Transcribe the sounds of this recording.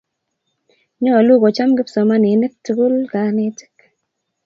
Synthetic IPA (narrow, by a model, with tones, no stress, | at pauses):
ɲɔ˦˨lu˦ɡo˨t͡ʃa˦mɡɪ˦psɔ˨ma˦nɪ˨˦ne˦k̚tu˨ɡu˦lka˨˦ne˦tɪ̥˦k